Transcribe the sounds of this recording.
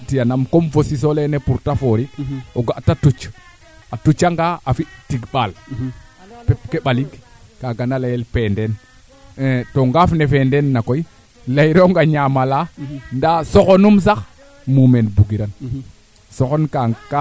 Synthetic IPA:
tijanamkomfosis̬olenepuɾtafoɾioɡaʔtatut͡ʃ | atut͡ʃaŋɡaafitiɡɓal | pep̚keɓaliɡ | kaɡanalajelpenden | toŋɡafnefendenːakoji | lajɾoŋɡaɲamalandasoxonums̬ax | mumenbuɡiɾan | soxonkaka

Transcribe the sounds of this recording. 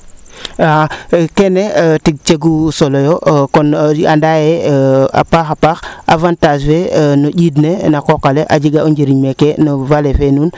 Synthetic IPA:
akenetiɡ̚t͡ʃeɡusolojokonandajea̰paxapaxa̰vantad͡ʒfenoɟidnenakokaleʔad͡ʒiɡauɲd͡ʒiɾiɲmekenovalefenun

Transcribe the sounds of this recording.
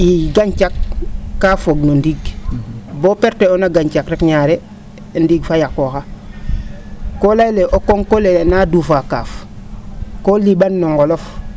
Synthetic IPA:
iɡaɲt͡ʃakːafoɡnondiɡ | boːpeɾteonaɡaɲt͡ʃakɾekɲaːɾe | ndiɡfajakoxa | kolajleʔokoŋkolenadufaka̰ːf | kolibanːoŋɡolof

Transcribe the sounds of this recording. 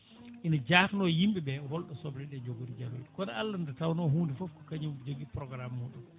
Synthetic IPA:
ʔinad͡ʒaːfnɔjimɓɛbɛhɔlɗɔsɔbɾɛɗɛd͡ʒoɡoɾid͡ʒaloɗikɔnaalːandɛtawnɔɦuːndifofkɔ̥kaɲimd͡ʒoɡipɾɔɡɾamːuɗun

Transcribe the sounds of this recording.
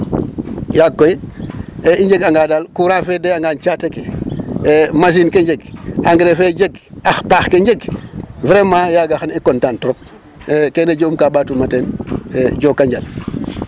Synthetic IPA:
jakːoj | eiɲɟeɡaŋɡaːdalkuɾãːfedejaŋɡaːnt͡ʃaːteke | mas̬inkeɲɟeɡaŋɡɾefed͡ʒeɡaxpaːxkeɲɟeɡvɾemajaɡaxanikɔntaːntɔɾɔp̚ː | keneɟoumkaːbaːtumateneɟoːkːaɲɟal

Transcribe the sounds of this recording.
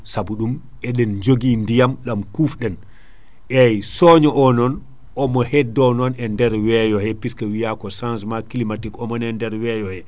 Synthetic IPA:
sabuɗum | ʔɛɗɛnd͡ʒoɡindijamɗamkufɗɛn | ʔɛjsɔɲɔʔɔnɔn | ʔɔmɔhɛdːɔnɔnɛndɛɾwɛjɔhɛpiskawijakɔsãnsmakilimatikɔmɔnɛndɛɾwɛjɔhɛ

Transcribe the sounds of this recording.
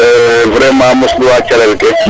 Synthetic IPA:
vɾɛmãːmʊsluwat͡ʃalɛlkɛ

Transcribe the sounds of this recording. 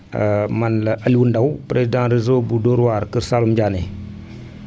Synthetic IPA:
mɐnlɐʔɐlwundawpɾezidãɾizobudoɾwaɾkiɾsalumd͡ʒane

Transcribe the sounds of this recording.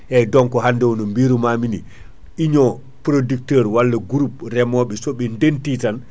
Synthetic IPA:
ʔɛjdɔŋkɔɦandɛwɔnɔmbiːɾumaːmini | ʔiɲɔ | pɾodik̚tɛɾwalːaɡuɾup̚ɾɛmɔɓɛsɔɓɛndentitan

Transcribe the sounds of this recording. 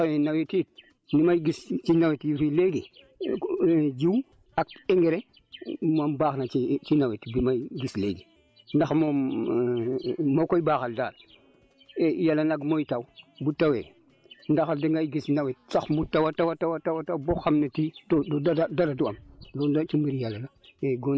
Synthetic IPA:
wenawetit̚ | nimajɡist͡ʃinawetjifileɡi | d͡ʒiw | ak̚eŋɡeɾe | mambaxnat͡ʃit͡ʃinawetibimaiɡisleɡi | ndaxmo | mokojbaxalda̰ːl | ejalːanaɡmojtawbutːawe | ndaxaldiŋɡajɡisnawetsaxmutːawatawatawatawatawboxamnetidododadadaɾaduamdoat͡ʃumiɾijalalaeɡo

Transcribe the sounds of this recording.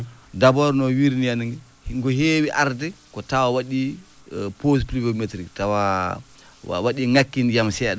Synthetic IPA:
dabɔɾnɔwiɾnijaniŋɡɛ | hŋɡɔɦewiʔaɾdɛkɔtawawaɗi | pos̬plivometɾiktawa | a̰waɗiŋakːinjamsɛɗ

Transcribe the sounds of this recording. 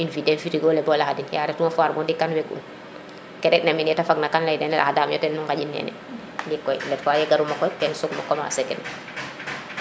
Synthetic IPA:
infidɛnfiɾiɡɔlɛbɔlahadinjaɾɛtumafaːɾmɔndikːanwɛkṵn | kɛɾɛt̚neminɛtafaɡnakanlajdɛnɛlʔahadaːmjɔtɛnːuŋɡaɟinːɛ̰ːnɛ̰ | dikːɔjlɛtfajɛɡaɾumakɔjtɛnsɔkmakɔma̰sɛkɛ̰n

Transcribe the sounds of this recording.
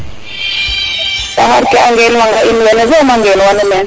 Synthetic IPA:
saɦaɾkɛaŋɡɛnwaŋɡainiwɛnɛzɛumaŋɡɛlwanɔmɛn

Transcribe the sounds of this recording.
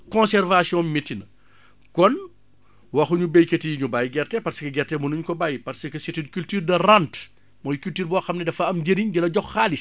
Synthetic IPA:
kɔ̃nsɛrvasjɔ̃mitːinɐ | kɔn | wɐxuɲubɛjketijiɲubajɡɛrtɛpɐrsə̥kɐɡɛrtɛmunuɲkɔbajpɐɾsəkəsitikyltyːrdɐrant | mɔːjkyltiːrbɔːxɐmnɛdɐfɐɐmɟeɾiɲɡilɐɟɔxːaːlis

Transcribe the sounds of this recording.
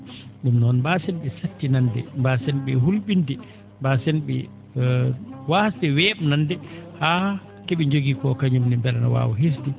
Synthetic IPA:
ɗumnɔnbasɛnɓɛsatːinandɛ̰mbasɛnɓɛɦulɓindɛ | mbasɛnɓɛ̰ | wasdɛwɛɓnandɛha | kɛɓɛɲd͡ʒoɡikɔkaɲumnɛmbɛlana̰wa̰ːwɔɦes̬dɛ

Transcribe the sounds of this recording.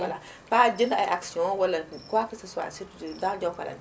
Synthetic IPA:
ala | pad͡ʒɪnaaksiɔ̃walːakakisisa̰sidãd͡ʒakala̰

